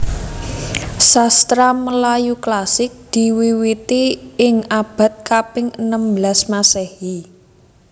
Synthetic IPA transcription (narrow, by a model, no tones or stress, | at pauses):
sast̪ɾaməlajuklasɪk̚d̪̥i̤wiwit̪iɪŋab̥a̤t̪̚kapɪŋənəmbəlasmasɛhi